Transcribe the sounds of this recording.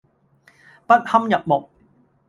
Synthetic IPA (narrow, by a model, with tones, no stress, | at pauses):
pɐ˦˥t̚hɐ˥mjɐ˨p̚mo˨k̚